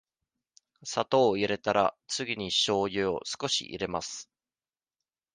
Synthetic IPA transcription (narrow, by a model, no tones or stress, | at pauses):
sat̪o̞ːiɾe̞t̪aɾa̰t͡sɨɡʲiɲ̟iɕo̞ːjɯo̰sɨ̥ko̞ɕḭʔḭɾe̞masɨ̥